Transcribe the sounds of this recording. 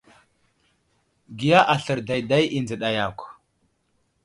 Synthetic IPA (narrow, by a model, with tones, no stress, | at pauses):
ɡi˨ja˦ʔa˨ɬə˨ɾda˨jda˦jʔi˨nd͡zə˨ɗa˨ja˨kʷ